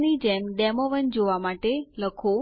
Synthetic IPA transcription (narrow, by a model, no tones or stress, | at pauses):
nid͡ʒemɖɛmoʋənd͡ʒoʋamaʈeləkʰo